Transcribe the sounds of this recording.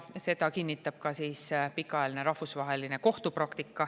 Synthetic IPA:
se̞d̪ɑkinʲːit̪ːˑɑb̥kɑsiːspikːˑɑɑjɑlineɾɑhfusvɑɦe̞line̞ko̞ht̪uprɾɑkt̪ikːˑɑ

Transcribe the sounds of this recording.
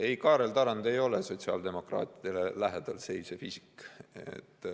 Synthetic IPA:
e̞jkɑːɾe̞lt̪ɑɾɑnd̪e̞jo̞le̞so̞t̪ʲsiɑ̰ːld̪e̞mo̞krɑ̰ːt̪ˑid̪̥e̞lelæɦed̪̥ɑlse̞jsefisi̥kḛt̪ː

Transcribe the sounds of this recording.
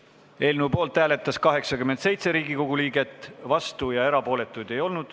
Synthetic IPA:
e̞ːlnuːpo̞ːlt̪ˑːæːle̞t̪ːˑɑskɑɦe̞ksɑkymed̪se̞jt̪se̞ɾiːɡiko̞ɡ̥uliːɡe̞t̪ːˑvɑst̪ujɑe̞ɾɑpo̞ːle̞t̪ːˑujd̪̥e̞jo̞lnud̪̥

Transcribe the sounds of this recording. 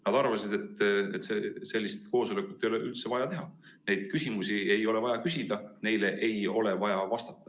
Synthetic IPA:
nɑd̪̥ɑrvɑsid̪̥e̞t̪ːet̪ːsese̞lʲːist̪ko̞ːso̞lekˑut̪ːe̞joleʔylt̪se̞vɑjɑt̪e̞ɦɑ | ne̞jd̪̥kysimusie̞jo̞le̞vɑjɑkysid̪̥ɑne̞jle̞ʔejo̞le̞vɑjɑvɑst̪ɑt̪ːˑɑ̥

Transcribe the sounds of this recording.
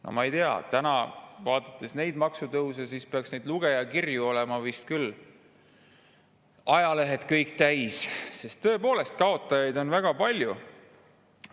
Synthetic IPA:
nʔo̰mɑejt̪eɑ̰t̪ænɑ̰vɑːd̪̥ɑt̪ːˑesne̞jd̪mɑksut̪ɤws̬ɑsispeɑksne̞jd̪luɡ̥e̞jɑkirjuo̞lemɑvist̪̚kyl | ɑjɑle̞ɦe̞t̪kɤjkːˑt̪æjsse̞st̪ːɤ̞e̞po̞ːle̞st̪̚kɑo̞t̪ːˑɑjɑjd̪o̞nvæɡ̥ɑpɑlʲju

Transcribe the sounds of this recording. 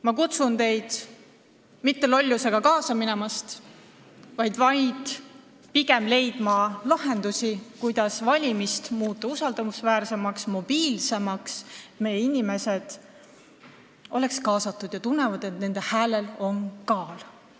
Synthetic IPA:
mɑkut̪sunt̪e̞jd̪̥ | mit̪ːe̞lo̞lʲːuse̞ɡ̥ɑkɑːsɑminɛmɑst̪ | vɑjd̪̥vɑjd̪̥ | piɡe̞mle̞jd̪̥mɑlɑɦe̞nd̪usʲikujd̪̥ɑsvɑlʲimist̪muːt̪ːˑɑusɑld̪ɑmusvæːrse̞mɑksmo̞b̥iːlse̞mɑkset̪me̞jːeinime̞se̞d̪̥ | o̞̰le̞kskɑːsɑt̪ːˑud̪̥jɑt̪unːe̞vɑd̪̥e̞t̪ne̞nd̪e̞hæːlelo̞nkɑːl

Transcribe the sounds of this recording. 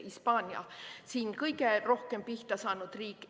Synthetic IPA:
ispɑːnʲjɑ̰siːnkɤjɡero̞hkempiht̪ɑsɑːnud̪̥riːkːˑ

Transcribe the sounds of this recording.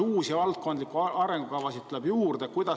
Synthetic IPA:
uːsivɑlt̪̚ko̞nd̪likːˑuɑɾe̞ŋɡ̥ukɑvɑsit̪t̪ːuleb̥juːrd̪̥ekujd̪̥ɑ

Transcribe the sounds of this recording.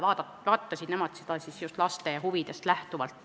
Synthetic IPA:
ɑːd̪ɑ | vɑːt̪ːɑsʲid̪̥ne̞mɑt̪se̥d̪̥ɑsisjust̪lɑst̪e̞jɑhuvid̪̥e̞st̪læht̪uvɑlt̪ː

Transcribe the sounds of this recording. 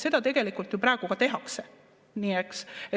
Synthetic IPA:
se̞d̪̥ɑt̪e̞ɡ̥e̞likˑult̪jupɾæːɡ̥ukɑt̪e̞ɦɑkse | niːekse

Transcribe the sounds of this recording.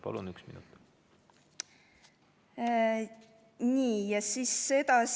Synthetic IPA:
pɑ̰lunyksmḭnut̪ | niːjɑsiːsːe̞d̪̥ɑs

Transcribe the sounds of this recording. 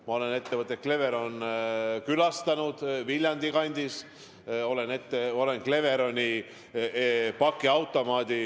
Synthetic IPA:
mɑo̞le̞ne̞t̪ːe̞vɤt̪ːˑet̚kle̞ve̞ɾo̞nkylɑst̪ɑnud̪̥vilʲjɑnʲd̪̥ikɑnʲd̪is | o̞le̞ne̞t̪ːeo̞le̞nkle̞ve̞ɾo̞nʲi | pɑkːˑiɑwt̪ːˑo̞mɑːd̪ʲi

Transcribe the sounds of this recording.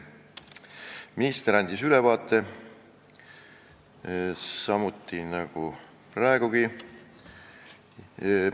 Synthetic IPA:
minist̪eɾɑnd̪isylevɑːt̪ːˑe̞ | sɑmut̪ːˑinɑɡ̥u | prɑeɡuɡi

